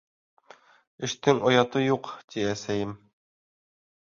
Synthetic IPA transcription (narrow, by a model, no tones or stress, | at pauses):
ɘ̆ʃt̪ɘŋojɑt̪ɤjuqt̪iæsæjɘm